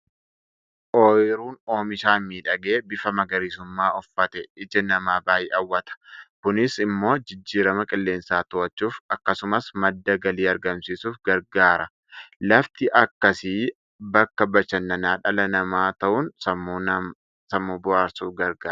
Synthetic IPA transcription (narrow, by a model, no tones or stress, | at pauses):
ʔoːjɪɾuːno̞ːmɪʃaːmiːᶑɐɡeːbɪfɐmɐɡɐɾisʊmːaːɔfːɐt̪ɛɪd͡ʒɛnɐmaːbaːjɪːʔɐwːɐt̪ɐ̥kʊnɪsɪmːo̞ːd͡ʒɪd͡ʒːiːɾɐmɐkʼɪlːe̞ːnsaːt̪ʊɐt͡ʃːuːfɐkːɐsʊmɐsmɐd̪ːɐɡɐliːɐɾɡɐmsiːsuːfɡɐɾɡaːɾɐ | lɐft̪ɪʔɐkːɐsiː | bɐkːɐbɐʃɐnːɐnaːᶑɐlɐnɐmaːt̪ɐʔʊnsɐ | sɐmːuːbʊʔaːɾsuːfɡɐɾɡaː